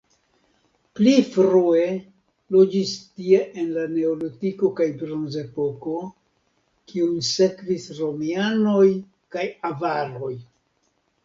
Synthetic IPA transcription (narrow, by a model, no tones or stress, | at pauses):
plifɾue | lo̞d͡ʒistie̞ʔenlane̞olotiko̞kajbɾonze̞po̞ko̞ | kiunse̞kvisɾo̞miano̞j | kajavaɾo̞j